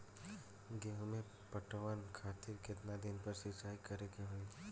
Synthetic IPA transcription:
ɡeɦmẽ | pəʈəʋənkʰaːt̪ɪɾkɪt̪nad̪ɪnpəɾʃɪt͡ʃaːikɐɾekeɦoi

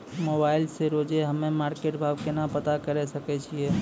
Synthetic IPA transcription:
mobaːɪlseɾod͡ʒeɦəmẽmaːɾkeːʈbʱaːbkenapət̪akəɾɛsəkɛt͡ʃʰiɛ

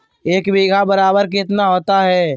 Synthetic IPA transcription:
eːkbiːɡʱabəɾaːbəɾk̬ɪt̪naɦoːt̪aɦɛː

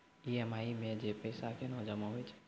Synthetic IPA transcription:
iɛmaimẽd͡ʒepəjsakenɔd͡ʒəmaɦojt͡ʃʰ

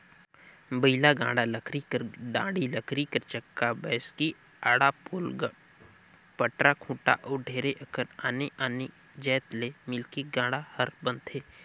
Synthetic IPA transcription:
bəɪlaɡãːɽaləkʰɾikəɖã̰ːɽiləkʰɾikəɾt͡ʃəkːabɛːski | aːɽapoːlɡ | pəʈɾakʰũːʈa̰ʔɔːɖʱeːɾeʔəkʰəɾaːneʔaːne | d͡ʒɛːt̪lemɪlkiɡãːɽahəɾbənt̪ʰeː

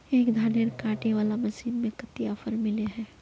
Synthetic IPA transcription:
eːkd̪ʱaːneɾkãːʈneʋaːlamɐsiːnmẽkɐt̪ijaːfʰəɾmɪleɦɛ̃ː

